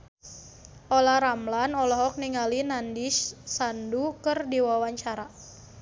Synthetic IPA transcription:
ʔɔlaɾamlanɔlɔɦɔk̚niŋalinandiʃsandukərdiwawaɲt͡ʃaɾa

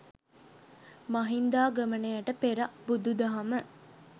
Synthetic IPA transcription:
mɐɦind̪aːɡəmənejɐʈəpeɾɐbud̪ud̪ɐɦɐmə

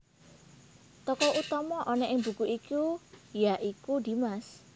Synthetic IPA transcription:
t̪ɔkɔʔut̪ɔmɔʔɔnɛʔɪŋbṳkuʔikujaʔikud̪̥i̤mas

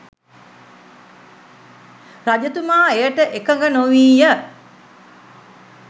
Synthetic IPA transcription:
rad͡ʒət̪umaːejəʈəʔekəŋɡənoʋiːjə

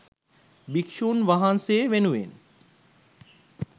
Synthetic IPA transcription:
bikʃuːnʋaɦanseʋenuʋḛn

